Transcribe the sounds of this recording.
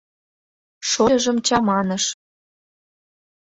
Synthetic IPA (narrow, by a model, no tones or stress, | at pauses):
ʃoɤ̆ʒə̆mt͡ɕɑmɑnɤ̆ʃ